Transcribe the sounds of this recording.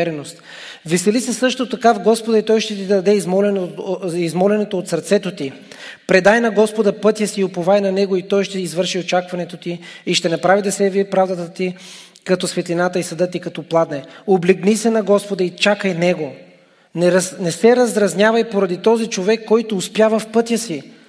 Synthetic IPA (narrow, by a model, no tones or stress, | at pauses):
ɛɾɛnost̪ | vɛsɛlisɛsɤʃt̪ot̪ɐkavɡɔspod̪ɐit̪ɔjʃt̪ɛt̪id̪ɐd̪ɛizmɔlɛnizmɔlɛnɛt̪oːt̪sɐɾt̪sɛt̪ot̪i | pɾɛd̪ajnɐɡɔspod̪ɐpɤt̪jəsiopovajnɐnɛɡoit̪ɔjʃt̪ɛizvɤɾʃiot͡ʃakvɐnɛt̪ot̪iːʃt̪ɛnɐpɾavid̪ɐsɛviɛpɾavd̪ɐt̪ət̪i | kɐt̪ɔsvɛt̪linat̪əisɐd̪ət̪ikɐt̪ɔplˠad̪nɛoblɛɡnisɛnɐɡɔspod̪ɐit͡ʃakəjnɛɡo | nɛɾnɛsɛɾɐzɾɐznʲjavɐjpoɾɐd̪it̪ɔzit͡ʃovɛkːɔjt̪oːspʲjavəfpɤt̪ʲjəsi